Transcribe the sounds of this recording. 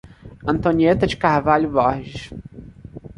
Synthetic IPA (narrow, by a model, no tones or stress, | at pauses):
ɐ̃nt̪õniet̪ɐd͡ʒɪkahvaʎʊvɔhʒɪʃ